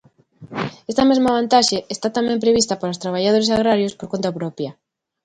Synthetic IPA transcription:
est̪amezmaβant̪aʃeest̪at̪amẽmpɾeβ̞ist̪apaɾost̪ɾaβ̞aʎað̞oɾesaɣ̞ɾaɾjospoɾkont̪apɾɔpja

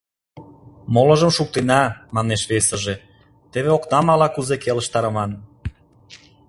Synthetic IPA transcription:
molə̆ʒəmʃuk̚t̪enɑmɑneʃβesə̆ʒe | t̪eβeoknɑmɑlɑkuzekelə̆ʃt̪ɑɾə̆mɑn

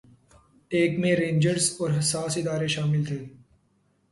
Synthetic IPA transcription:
eːkmẽɾẽːnd͡ʒəɾzɔːɾɦɐsaːsɪd̪aːɾeʃaːmɪlt̪ʰeː

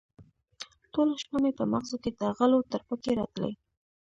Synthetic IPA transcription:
ʈolaʃmamepəmaɣzoked̪əɣəlot̪əɾpəkeɾɑt̪lə̰j

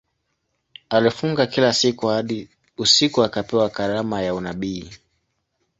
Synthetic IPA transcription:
alifuŋɡakilasikuhaɗi | usikuakapɛwakaɾamajaunaɓiː

